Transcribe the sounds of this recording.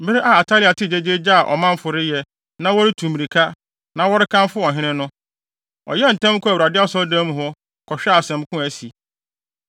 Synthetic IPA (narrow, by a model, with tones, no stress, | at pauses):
bɪ˦ɪ˦ʔa˦˨a˨tʰa˦lɪ˨a˨tʰɪ˦˨d͡ʑe˦d͡ʑe˦d͡ʑa˦a˨ʔɔ̰˨mã˦m̩˦fʊ˨ɾɪ˦jɛ˦ | nã˦wɔ˦ɾɪ˦tʰũ˨mi˨ɾi˨kʰa˦ | nã˦wɔ˦ɾɪ˦kʰã˦m˦fʊ˦ɔ̃˨ɦɪ̃˦nɪ̃˦nʊ̃˦ | ɔ̰˨jɛ˦˨n̩˨tã˦m˦kʰʊ̃˦æ˨ɾa˨dɪ˦a˦sɔ˦dã˦mũ˨ɦɔ˦ | kʰɔ˨ɕᶣɛ˦a˨sɛ̃˨m˦kʰʊ̃˦æ˨si˨